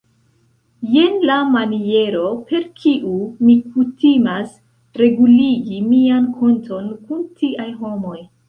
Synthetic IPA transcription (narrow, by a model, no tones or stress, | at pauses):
jenlamanie̞ɾo̞pe̞ɾkʰiʔumikʰutimas | ɾe̞ɡuliɡimiankʰo̞nto̞nkuntiʔajɦo̞mo̞j